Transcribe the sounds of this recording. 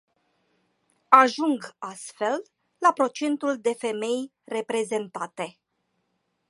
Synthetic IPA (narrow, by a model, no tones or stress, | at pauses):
aʒuŋɡast̪fe̞l | lapɾo̞t͡ʃe̞nt̪uld̪e̞fe̞me̞j | re̞pɾe̞ze̞nt̪at̪e̞